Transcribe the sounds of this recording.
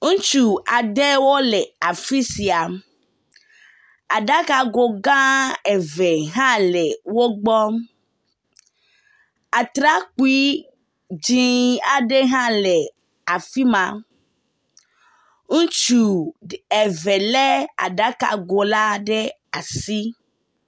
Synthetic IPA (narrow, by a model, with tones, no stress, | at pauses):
ŋũ˦t͡ʃu˨a˨ɖe˦wo˦lɛ˨a˨fi˦si˨a˨m | a˨ɖa˦ka˨ɡo˨ɡã˦ɛ˨ve˨ɦã˦lɛ˨wo˦ɡ͡bɔ˦m | a˨t̪ɾa˦k͡pu˦i˦ | d͡ʒĩ˦a˨ɖe˦ɦã˦lɛ˨ | a˨fi˦mã˨ | ŋũ˦t͡ʃu˦˨e˨ve˨le˦a̰˨ɖa˦ka̰˨ɡo˨la˦ɖe˦ | a˨si˦